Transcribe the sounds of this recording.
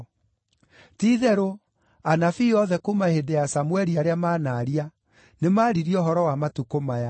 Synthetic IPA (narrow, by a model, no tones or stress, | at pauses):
tiːðɛɾo | anafiɔðɛkomahedejasamwɛɾiaɾeamaːnaːɾia | nemaːɾiɾiɔɦɔɾɔwamatukomaja